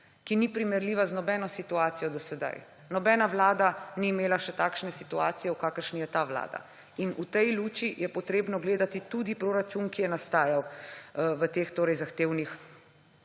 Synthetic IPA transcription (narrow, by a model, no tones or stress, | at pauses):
kinipɾimɛɾliʋaznɔbɛnɔsit̪uaːt̪sijɔd̪ɔsɛd̪a̰j | nɔbɛnaʋlaːd̪aniːmeːlaʃɛt̪aːkʃnɛsit̪uaːt̪sijɛukaːkəɾʃnijɛt̪aʋla̰ːd̪a̰ | inut̪ɛjluːt͡ʃijɛpɔt̪ɾeːbnɔɡleːd̪at̪it̪ud̪ipɾoːɾat͡ʃunkijɛnast̪aːjaw | ʋət̪eːxt̪oːɾɛjzaxt̪eːwnix